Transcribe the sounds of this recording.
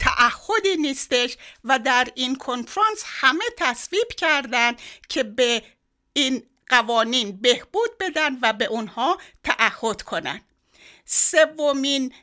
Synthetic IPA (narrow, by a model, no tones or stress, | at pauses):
t̪ʰæ̰ʔæhːo̞d̪iːniːst̪e̞ʃvæd̪æɾinkʰo̞nfɾɑnshæme̞t̪ʰæsviːb̥cʰæɾd̪ænd̪cʰe̞be | iːn | ɢ̥ævɒːniːnbe̞hb̥uːd̪̚be̞d̪ænd̪væbe̞ʔunhɒːt̪ʰæʔæhːo̞d̪̥kʰo̞næ̰nd̪̥ | sevːomiːn